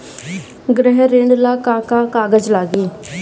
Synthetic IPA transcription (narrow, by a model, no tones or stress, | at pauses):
ɡɾɛːɦɾeːɳɖlaːkãːkaːkaːɡəd͡ʒlaːɡiː